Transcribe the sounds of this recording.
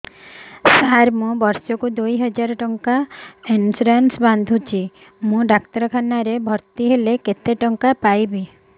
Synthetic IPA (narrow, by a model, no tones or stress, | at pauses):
saɾmũbɔɾsɔkud̪ujɦɔd͡ʒaɾɔʈɔŋkainsuɾansband̪ʱut͡ʃʰi | mũɖakt̪ɔɾɔkʰanaɾebʱɔɾt̪iɦeleket̪eʈɔŋkapajbi